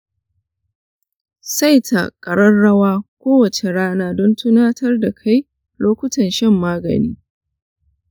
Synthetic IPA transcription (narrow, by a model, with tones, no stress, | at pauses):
sa˦jtʰa̰˨kʼɐ˨ɽɐ˦nːɐ˦waː˦kʷoː˦wɐ˨t͡ʃe˨ɽaː˦naː˦dɔ˦ntʰʊ˦naː˦tʰɐ˦rda˨kʰa˦j | loː˦kʷʊ˦tɐ˨nʃɛ˦˨mːaː˦ɡɐ̰˨nḭː˦